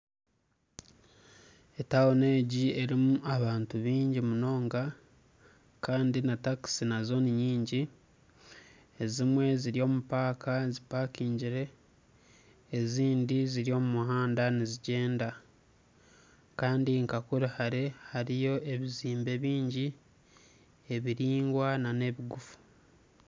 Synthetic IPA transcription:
e̞tawone̞ːɟie̞ɾimuaβaːntuβiːɲɟimuno̞ːŋɡa | kaːndinataksinazo̞niɲiːɲɟi | ezimwe̞ziɾijo̞ːmupaːkʰazipakiːɲɟiɾe̞ | eziːndiziɾio̞ːmumuhaːndaniziɟe̞ːnda | kaːndiŋkakuɾihaɾehaɾijo̞ʔe̞βiziːmbe̞βiːɲɟi | eβiɾiːŋɡwanane̞βiɡufu̥

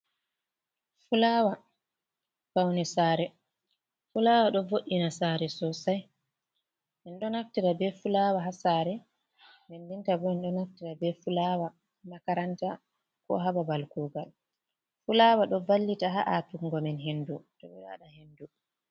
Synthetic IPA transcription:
fulaːwa | fawnɛsaːɾɛ | fulaːwaɗɔvoɗːinasaːɾɛsɔsaj | mɛnɗɔnaftiɾabɛfulaːwaɦasaɾɛ | mɛndintabɔɛnɗɔnaftiɾabɛfulawa | makaɾanta | kɔ̰ɦababalkuɡal | fulaːwaɗɔbalːitaɦaʔatuŋɡɔmɛnɦendutɔɓɛɗa̰ɗahendu

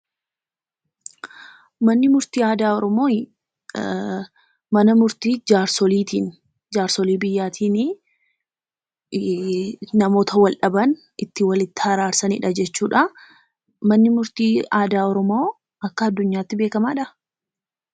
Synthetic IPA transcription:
mɐnːɪmʊɾt̪iːaːd̪aːɔɾɔmo̞ː | mɐnɐmʊɾt̪iːd͡ʒaːɾsɔliːt̪iːn | d͡ʒaːɾsɔliːbɪjːaːt̪ʰiːnɪ | nɐmo̞ːt̪ʰɐwɐlᶑɐbɐn | ɪt̪ːɪwɐlɪt̪ːɪ̥hɐɾaːɾsɐnɪ̰ᶑɐd͡ʒɛt͡ʃːuːᶑɐ | mɐnːɪmʊɾt̪iːaːd̪aːɔɾɔmo̞ː | ɐkːɐːd̪ːʊɲːaːt̪ːɪbe̞ːkɐmaːᶑɐ

